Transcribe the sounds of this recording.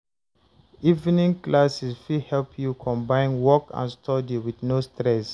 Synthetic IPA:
ivnĩŋklasisfihɛlpʰjukʰɔ̃mbãɪ̃nwɔkã̰nstʰɔdiwidnostɹɛs

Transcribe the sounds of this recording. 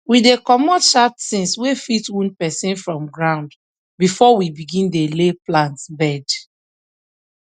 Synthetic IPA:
widekɔmɔtʃatsĩnswefitwũnpɛsĩnfɹɔ̃mɡɹãʊ̃nd | bifɔwibiɡĩndeleplãntbɛd

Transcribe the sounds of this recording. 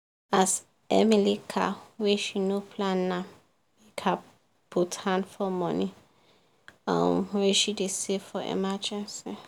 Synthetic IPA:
as | ɛ̰milikʰa̰wɛʃinopʰlãnːã | wikʰa | puthãndfɔmɔ̃ni | ã̰mwɛʃidesefɔɛ̰mad͡ʒɛ̃nsi

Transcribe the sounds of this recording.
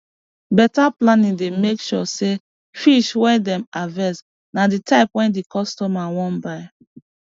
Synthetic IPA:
bɛtaplanĩdemekʃɔ̰se | fiʃwɛdɛ̃mavɛs | naditaɪpwɛ̃ndikɔstɔmawɔ̃nbaɪ

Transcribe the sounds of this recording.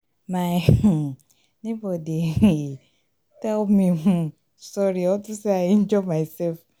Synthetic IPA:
ma | nibodi | tɛlmĩɦũ | sɔɾiɔtʊseaɪɛ̃nd͡ʒɔmaɪsɛlf

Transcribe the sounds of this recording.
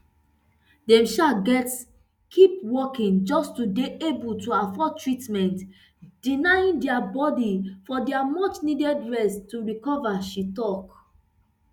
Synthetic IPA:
dɛ̃mʃaɡɛt | kʰipwɔkĩnd͡ʒɔstudeʔebultuafɔtɹitmɛ̃nt | d̥inajĩndɛabɔdifɔdɛamɔt͡ʃnidɛdɹɛstːuɹikɔvaʃitɔk

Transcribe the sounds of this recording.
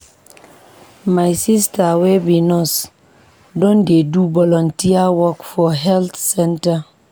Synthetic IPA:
majsistawebinɔs | dɔ̃ndedubɔlɔ̃ntiawɔkfɔɦɛlt̪sɛ̃nta

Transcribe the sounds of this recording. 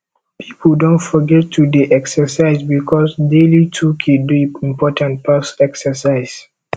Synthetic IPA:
pʰipʰldõntfɔɡɛtʰːudeʔɛksəsaɪzbikʰɔsdelitʰukʰeduĩmpɔtãnt̚pʰasɛksəsaɪs

